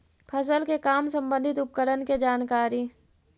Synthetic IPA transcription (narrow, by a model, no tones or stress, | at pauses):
pʰəs̬əlkekaːmsə̃mbə̃nd̪ʱɪt̪ʊp̚kəɾənked͡ʒaːnkaːɾi